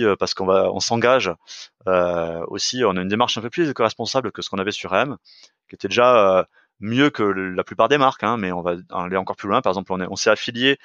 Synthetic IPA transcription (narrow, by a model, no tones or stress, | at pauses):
øpaʁsə̥kɔ̃vaɔ̰̃sɑ̃ɡaʒ | øo̰siɔ̃naynd̪emaʁʃɛ̃pøplyd̪ekɔʁɛspɔ̃sablkəsə̥kɔ̃navɛsyʁɛm | kʲiet̪ɛd̪eʒaø | mjøkəlaplypaʁd̪emaʁkɛ̃mɛɔ̃vã̰aleɑ̃kɔʁplylwɛ̃paʁɛɡzɑ̃plɔ̃nɛɔ̰̃sɛafilje